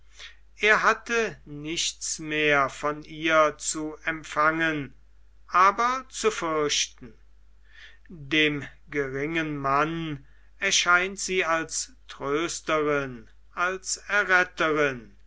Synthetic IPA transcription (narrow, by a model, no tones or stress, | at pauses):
ʔeːɐɦatənɪʃtsmeːɐfɔniːɐt͡suɛmpfaŋən | ʔaːbɐt͡sufʏɐʃtn̩ | deːmɡəʁɪŋənman | ɛɐʃaɪntz̥iːalstʁ̥øːstəʁɪn | alsɛɐʁɛtəʁɪn